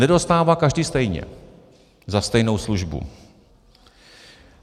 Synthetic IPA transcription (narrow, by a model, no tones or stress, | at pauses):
nɛdo̞st̪aːvakaʒdiːst̪ɛjɲɛ̰ | zast̪ɛjno̞wsluʒbṵ